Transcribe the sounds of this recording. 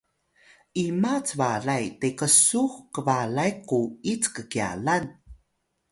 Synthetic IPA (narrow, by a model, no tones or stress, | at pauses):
ʔimat͡svaɮajtekəsuxkəvalajquit͡skəkia̰lan